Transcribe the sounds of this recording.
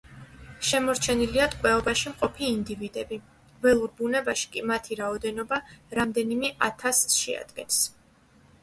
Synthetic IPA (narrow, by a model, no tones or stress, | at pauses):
ʃɛmɔɾt͡ʃʰɛniliat̪ʼkʼwɛɔbaʃimqʼɔpʰiːnd̪ivid̪ɛbi | vɛlˠuɾbunɛbaʃi̥kʼimat̪ʰiɾaɔd̪ɛnɔbaɾamd̪ɛnimɛʔat̪ʰasʃɛ̰a̰d̪̥ɡɛ̰ns